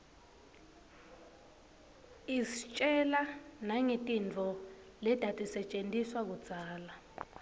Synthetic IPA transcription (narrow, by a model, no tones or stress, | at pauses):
isit͡ʃʼɛlanaŋitʼint͡fɔ | lɛd̥ʱatʼisɛt͡ʃʼentʼiswak̬ud̥d͡z̥ʱaːla